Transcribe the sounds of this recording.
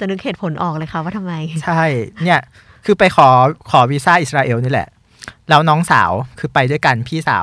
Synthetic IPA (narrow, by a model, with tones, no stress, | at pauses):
t͡ɕa˨˩nɯ˧˥kʰeː˨˩t̪̚pʰo˩˦nʔɔː˨˩k̚lɤː˧jkʰa˦˥waː˥˩t̪ʰmːa˧jt͡ɕʰa˥˩jni˥˩ɐ | kʰɯː˧pa˧jkʰɔː˩˦kʰɔː˩˦wiː˦˥saː˥˩ʔi˨˩sɾaː˧ʔeː˧wniː˦˥lɛ̰˨˩ʔ | lɛː˦˥wnɔː˦˥ŋsa̰ː˩˦wkʰɯː˧pa˧jdu˥˩əjka˧npʰiː˥˩sa̰ː˩˦w